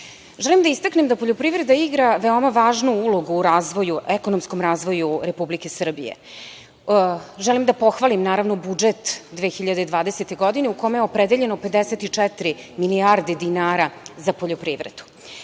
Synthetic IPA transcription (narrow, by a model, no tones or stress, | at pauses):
ʒɛlimd̪aist̪aknemd̪apo̞ʎo̞pɾivɾe̞d̪aiɡɾaʋe̞o̞maʋaːʒnuulo̞ɡuːɾaːzʋo̞juʔekonomsko̞mɾaːzʋo̞juɾe̞publike̞sr̩bḭjḛ | ʒɛlimd̪apo̞xʋalimnaːɾaʋno̞bud͡ʒet̪d̪ʋexiʎad̪ed̪ʋaːd̪eset̪e̞ɡo̞d̪ineuko̞mejeopɾed̪eʎe̞nope̞d̪eset̪it͡ʂɛt̪ɾimiliaɾd̪ed̪inaːɾazapo̞ʎo̞pɾiːʋvɾḛd̪̥u̥